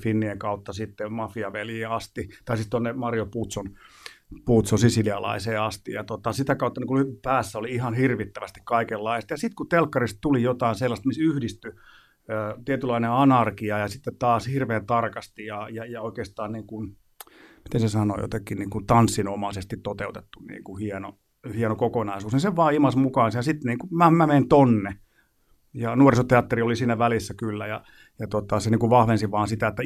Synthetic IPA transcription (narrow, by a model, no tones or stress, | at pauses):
finːieŋkɑut̪ːɑsit̪ːemɑfiɑʋeljiːɑst̪it̪ɑisit̪onːemɑrjoput̪son | puːt̪sonsisiliɑlɑ̰iseːɑst̪ijɑt̪ot̪ɑsit̪ækɑut̪ːɑniŋkuypæːsːæoliihɑnhirʋit̪ːæʋæst̪i̥kkɑikelːɑiset̪jɑsit̪kut̪elkːɑrist̪t̪ulijot̪ɑinselːɑst̪misyhdist̪y | øːt̪iet̪ylːˑɑineɑnɑrkiɑjɑsit̪ːett̪ɑːshirʋeːnt̪ɑrkɑst̪ijɑjɑjɑoikeːst̪ɑːnniːŋkun | mi̥t̪ensesɑno̰jo̰t̪ekːˑinniːŋkut̪ɑnsːinomɑsest̪it̪t̪ːot̪eut̪et̪ːunnḭːŋkuhieno̰ | hienokokonɑisuːsniseʋʋɑːimɑsmukɑːnsjɑsit̪niːŋkumæmæmeint̪onːe | jɑnuorisot̪eɑt̪ːeriolisiːnæʋælisːækylːæjɑ | jɑt̪ot̪ɑseniːŋkuʋʋɑhʋensiʋɑːnsit̪æet̪ːæ